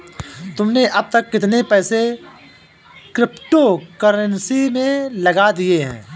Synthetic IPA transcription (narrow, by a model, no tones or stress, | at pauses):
t̪ʊmneʔɐb̚t̪ɐkːɪt̪nepɛːse | kɾɪpʈokəɾənsimẽlɐɡad̪ieɦɛ̰̃ː